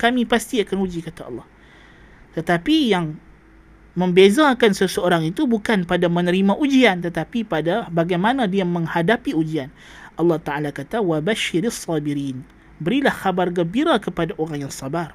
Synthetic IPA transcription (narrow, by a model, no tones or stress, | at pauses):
kamipast̪iakanud͡ʒikat̪aɑ̰lːɑh | t̪ət̪apijaŋ | məmbezakansəsəoɾaŋit̪ubukanpadamənəɾimãʔud͡ʒiant̪ət̪apipadabaɡajmanadiaməŋhadapiud͡ʒian | ʔɑlːɑht̪aʔalakat̪awabaʃːɪɾasːɑbiɾiːn | bəɾilahxabarɡəmbiɾakəpadaʔoɾaŋjaŋsabar